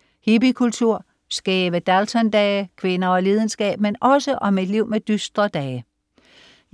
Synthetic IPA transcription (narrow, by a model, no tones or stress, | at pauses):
hibikʰult͡sʰuɐ̰ | sɡ̥ɛːʋəd̥ælt͡sʰɒnd̥ɛːkʰʋe̝nɐɒ̽liːð̞ˠənsɡ̥ɛ̰ːb̥̚menɒ̽səʔɒ̽mid̥liʊ̰med̥ysd̥ʁɐd̥ɛː